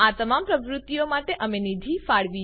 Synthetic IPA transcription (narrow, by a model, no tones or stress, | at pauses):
at̪əmampɾəʋɾut̪ːijomaʈeʔəmenid̪ʱifaɭʋi